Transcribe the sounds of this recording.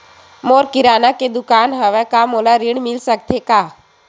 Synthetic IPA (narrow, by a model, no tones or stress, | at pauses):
moːɾkɪɾaːnaked̪ʊkaːnɦəʋɛkamolaɾɪɳmɪlsək̚t̪ʰekaː